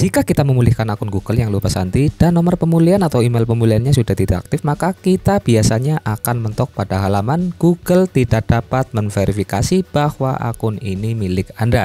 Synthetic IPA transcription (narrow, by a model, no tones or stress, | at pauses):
d͡ʒ̥ikakit̪aməmulɪhkanakʊnɡuɡ̥əljaŋlupasant̪id̥anːɔmərpəmulianat̪awimelpəmulianɲasudaht̪idaʔa̰k̚t̪ɪfmakakit̪ab̥iasaɲaʔakanmənt̪ɔk̚pad̥aɦalamanɡ̥uɡ̥əlt̪idak̚d̥apat̪̚mənfeɾifikasib̥ahwa̰ʔa̰kʊninimilɪkanda